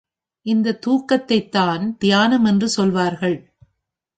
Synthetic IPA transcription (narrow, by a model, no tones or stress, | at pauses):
ʔɪnd̪ɐt̪ːuːkːɐt̪ːɐɪt̪ːaːnpɪjaːnɐmɛndrɯsɔlʋaːɾɣɐɭ